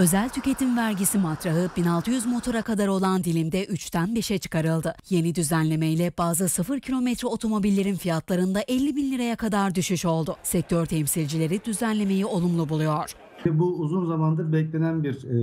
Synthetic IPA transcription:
ø̞zælʲt̪ʰyce̞t̪ʰinvæɾɟisimat̪ɾaɦɯbinalˠt̪ɯjyzmo̞t̪ʰo̞ɾakad̪aɾo̞lˠand̪ilʲimd̪ɛʔyt͡ʃt̪ʰænbiʃɛt͡ʃʰɯ̥kaɾɯlˠd̪ɯje̞nid̪yzænlʲe̞mejlʲɛbaːzɯsɯfɯɾcʰilʲo̞mɛt̪ɾɛo̞t̪ʰo̞mo̞bilʲːe̞ɾinfijat̪lˠaɾɯnd̪aʔɛlʲːibinlʲiɾajakʰad̪aɾd̪yʃyʃo̞lˠd̪ʊsɛc̚t̪ʰøɾt̪ʰɛmsilʲd͡ʒilʲe̞ɾid̪yzænlʲe̞me̞jio̞lˠumlˠubulˠujo̞ɾ̥ | ʃɛbuːzunzamand̪abɛclʲenænbiɾ

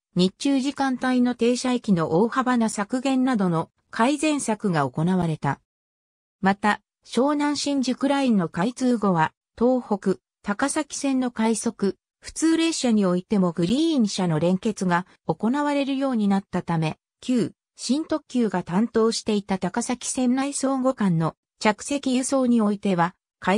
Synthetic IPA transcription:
ɲ̟it͡ɕɨːʑikãnt̪aino̞t̪e̞ːɕaekʲino̞ʔoːhabanasakɯ̟ɡẽ̞nːad̪o̞no̞ | kʰaizẽ̞ɰ̃sakɯ̟ɡao̞ko̞naβaɾe̞t̪a | mat̪a | ɕo̞ːnãɰ̃ɕĩɲ̟d͡ʑikɯ̟ɾaĩnːo̞kait͡sɨːɡo̞βa | t̪o̞ːho̞kɯ̟ | t̪akasakʲi̥sẽ̞nːo̞kaiso̞kɯ̟ | ɸɯ̟̥t͡sɨːɾe̞ɕaɲ̟io̞it̪e̞mo̞ɡɯ̟ɾʲĩːɰ̃ɕano̞ɾẽ̞ŋke̞t͡sɨɡa | o̞ko̞naβaɾe̞ɾɯ̟jo̞ːɲ̟inat̪ːat̪ame̞ | kʲɨː | ɕĩnt̪o̞kʲːɨːɡat̪ãnt̪o̞ːɕi̥t̪e̞it̪at̪akasakʲi̥sẽ̞nːaiso̞ːɡo̞kãnːo̞ | t͡ɕakɯ̟̥se̞kʲijɯ̟so̞ːɲ̟io̞it̪e̞βa | ka

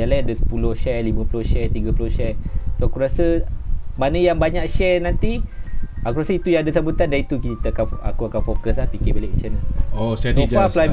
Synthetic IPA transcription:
jalajadəsə̥pulʊhʃɛlimə̃pulohʃɛt̪iɡapulohʃɛsoakuɾasəmanəjaŋbaɲãʔʃɛnant̪i | akuɾasəit̪ujaŋadasambut̪andanit̪ukit̪akana̰kuakanfokəs̬lahpikebelɛʔʃənaosɛala

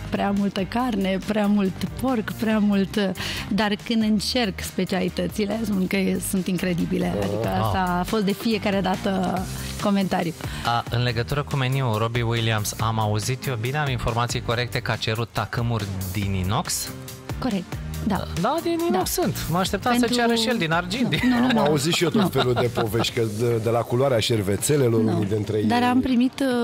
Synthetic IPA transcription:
pɾeamult̪əkarne̞pɾeamult̪po̞rkpɾeamult̪d̪arkɨnd̪ɨnt͡ʃe̞rkspe̞t͡ʃialit̪ət̪sile̞spunkəsunt̪iŋkɾe̞d̪ibile̞a̰d̪ikəafo̞st̪d̪e̞fije̞kaɾe̞d̪at̪əko̞me̞nt̪aɾuəɨnle̞ɡət̪uɾəkumeniuɾo̞biwiliamsamauzit̪jo̞bineainfo̞rmat̪sijko̞ɾe̞k̚t̪e̞kəat͡ʃe̞ɾut̪ːakɨmurʲd̪inino̞ks | ko̞ɾek̚t̪d̪a̰d̪ad̪ininoksːɨnt̪məaʃt̪e̞p̚t̪amnsət͡ʃaɾəʃijeld̪inard͡ʒind̪inunumaauzit̪ʃijot̪ott̪feluld̪epoveʃt̪ʲkəd̪e̞lakulwaɾeaʃerve̞t̪se̞leloɾnund̪ent̪ɾed̪aɾampɾimit̪

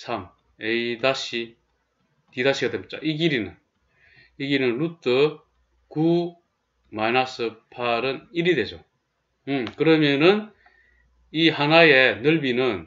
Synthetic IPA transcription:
sʰam | eid̪aɕi | t̪idaɕʰiɡad̪emt͡ɕ͈a̰ʔiɡiɾinɯ̰n | iɡinɯnlut͈ɯ | ku | majnasɯpʰaɾɯniɾidwe̞d͡ʑo̰ | ɯmkɯɾʌmjʌnɯn | ihanajenɯɭbinɯn

